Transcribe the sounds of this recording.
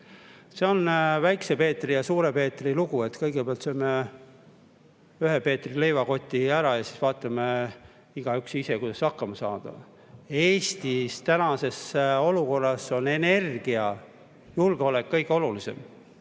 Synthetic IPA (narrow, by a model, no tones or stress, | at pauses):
se̞o̞nvæjkse̞pe̞ːt̪ːˑrijɑsuːɾe̞pe̞ːt̪ˑriluɡ̥ue̞t̪kɤjɡ̥epeɑlt̪soime | yɦe̞pe̞ːt̪ːrile̞jvɑko̞t̪ʲːˑiæɾɑjɑsi̥svɑːt̪ːˑɑme | iɡ̥ɑyksisekujd̪ɑsɑkːɑmɑsɑ̰ːd̪̥ɑ̰ | eːst̪ist̪ænɑse̞so̞luko̞rːɑso̞ne̞ne̞rɡ̥iɑ | julɡ̥eo̞le̞kːɤjɡ̥eo̞lulise̞̰m